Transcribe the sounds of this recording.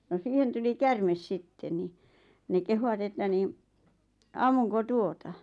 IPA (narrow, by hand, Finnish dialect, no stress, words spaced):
no siːhen tuli kærmes sitːe ni ne kehuwɑt etːæ niːn ɑmːuŋko tuotɑ